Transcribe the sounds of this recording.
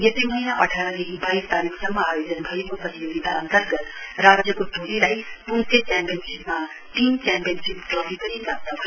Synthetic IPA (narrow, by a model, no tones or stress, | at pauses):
jʌt̪emʌinaʔʌʈʰaɾʌd̪ekibaist̪aɾikʰsʌmːʌajod͡zʌnbʱʌjokopʌt̪ijoɡ̪it̪aʌ̰nt̪ərɡʌt̪ | ɾad͡zjʌkoʈolilajpunsekampiʌnsipma | t̪inkampijʌnsip̚kʌbipʌnikapt̪abʱʌ